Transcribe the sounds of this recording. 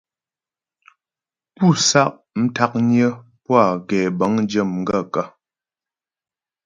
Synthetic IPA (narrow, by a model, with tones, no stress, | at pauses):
pu˦˨sa˦ʔ | m̩˦ta˦k̚ɲjə˦ | pwa˦˨ɡɛ˨bə˨˦ŋn˦d͡ʒə˦˨mŋ̩˦ɡə˦˨ka˦